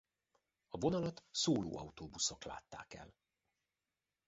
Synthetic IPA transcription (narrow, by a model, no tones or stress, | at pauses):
ɒvo̞nɒlɒt̪soːlo̰ːɒwt̪oːbusokla̰ːt̪ːa̰ːkɛ̰l